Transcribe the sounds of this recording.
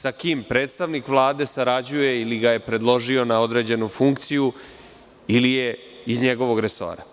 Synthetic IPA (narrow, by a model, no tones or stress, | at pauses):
sakiːmpɾeːt̪st̪aʋnikʋlˠaːd̪e̞saɾad͡ʑuje̞iliɡaje̞pɾe̞d̪lˠo̞ʒio̞nao̞d̪ɾe̞ːd͡ʑe̞nufuŋkt̪siju | ilije | izɲe̞ɡo̞ʋo̞ɡɾe̞so̞̰ːɾa̰